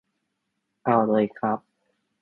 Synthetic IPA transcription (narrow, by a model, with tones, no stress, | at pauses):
ʔa˧˩wlɤː˧jkʰɾa˦˥p̚